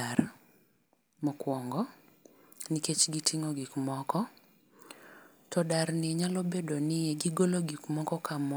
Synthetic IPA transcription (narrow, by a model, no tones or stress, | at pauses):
aɾ | mɔkwɔŋɡɔ | niket͡ʃɡitʰiŋɔɡikmɔkɔ | tɔdarnɪɲalobedonɪjɛɡiɡoloɡikmɔkɔkamɔ